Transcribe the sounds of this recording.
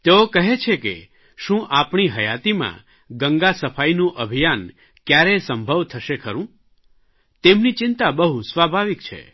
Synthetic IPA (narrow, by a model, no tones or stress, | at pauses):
t̪eokəɦet͡ʃʰekḛ | ʃũʔapɳiɦəjat̪imã̰ | ɡəŋɡasəfʰainũʔəbʱijan | kjaɾesəmbʱəʋt̪ʰəʃekʰəɾũ | t̪emnit͡ʃɪnt̪abəɦusʋabʱaʋikt͡ʃʰḛ